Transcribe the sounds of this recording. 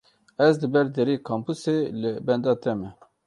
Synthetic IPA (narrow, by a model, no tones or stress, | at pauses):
ɛzd̪ɨbɛɾd̪ɛɾeːkʰɑːmpuselɨbɛnd̪ɑːt̪ɛmɛ